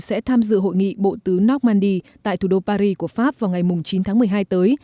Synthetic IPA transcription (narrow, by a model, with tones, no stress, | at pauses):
sɛ̰˧˥t̪ʰaː˧mzɨ̰˧˨ɦo̰˧˨jŋḭ˧˨ɓo̰˧˨t̪ɨ˨˦nɔ˦˥k̚maː˧nɗi˧ | t̪a̰ː˧˨t̪ʰu˧˩ɗo˧paː˧ɾi˧ku˧˩əfaː˦˥p̚vaː˨˩wŋa˨˩jmʊ˨˩ŋ͡mt͡ɕi˨˦nt̪ʰaː˨˦ŋmɨ˨˩əjɦaː˧jt̪əː˨˦j